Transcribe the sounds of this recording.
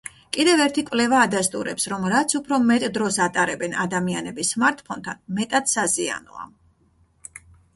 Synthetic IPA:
kʼid̪ɛvɛɾt̪ʰikʼvlɛvaːd̪ast̪ʼuɾɛpsɾɔmɾat̪sʰupʰɾɔmɛt̪ʼd̪ɾɔsat̪ʼaɾɛbɛna̰d̪amianɛbismaɾt̪ʰʼpʰɔnt̪ʰanmɛt̪ʼat̪sazia̰nɔ̰a̰

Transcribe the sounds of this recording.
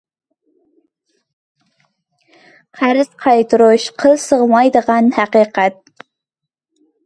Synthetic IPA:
qʰæɾɨz̥qʰɑjt̪ʰɨɾʊʃqʰəlˠsəʁmɑjd̪əʁɑnhæqiːqɛt̪̚

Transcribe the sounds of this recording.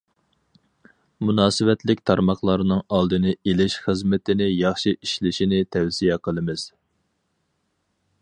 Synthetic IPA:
munɑːsɨwɛt̪ʰlɪk̚ʲt̪ʰɑɾmɑχlˠɑɾnɨŋɑlˠd̪ɨnɪelɪʃχəzmɪt̪ɪnɪjɑχʃiʔiʃlɪʃinɪt̪ʰɛwsijɛqʰəlˠɨmɨz̥

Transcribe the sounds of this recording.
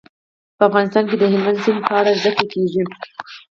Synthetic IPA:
pəafɣɑnɪs̬t̪ɑnked̪əɦɪlmand̪sɪmpʰɑɽazd̪akəlkeʐi

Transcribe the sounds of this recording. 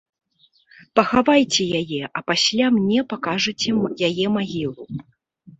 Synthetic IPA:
pɐxavajt͡sʲɛjajɛʔɐpasʲlʲamnʲɛpakaʐɨt͡sʲɛjajɛmaɣʲilˠu

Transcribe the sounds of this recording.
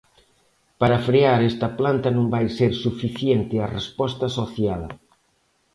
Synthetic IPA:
paɾɐfɾeaɾɛst̪ɐplant̪ɐnõŋbajseɾsufiθjent̪ɪɐrespɔst̪ɐsoθjal

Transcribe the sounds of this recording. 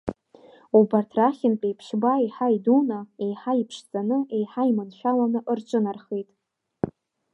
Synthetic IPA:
ubartʰraχʲɪnpʲʼejpʰʃbaiħaidunaejħaipʰʂt͡sʼanɨejħaimɨnʃʷᶣalanɨʔɨrt͡ʃʷʼɨnarχejtʼ

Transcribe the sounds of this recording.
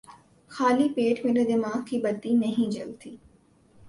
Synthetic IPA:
xaːlipeːʈmẽnəd̪ɪmaːɦkʰibət̪ːinɐɦĩd͡ʒɐ̰lt̪ʰiː

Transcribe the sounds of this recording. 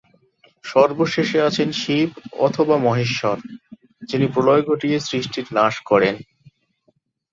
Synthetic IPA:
ʃɔɾboʃeʃeat͡ɕʰenʃibɔ̰t̪ʰobamɔɦeʃːɔɾ | d͡ʑinipɾolɔjɡoʈiesɾiʃʈiɾnaʃkɔɾen

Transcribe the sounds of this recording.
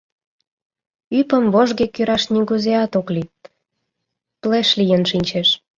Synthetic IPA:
ypə̆mβoʒɣekyɾɑʃniɡuzeɑt̪oklit̪ | pleʃlijənʃinʲt͡ɕeʃ

